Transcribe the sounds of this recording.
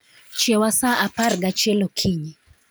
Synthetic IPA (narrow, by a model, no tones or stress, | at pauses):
t͡ʃɛwasaʔapaɾɡat͡ʃɛlokʰiɲi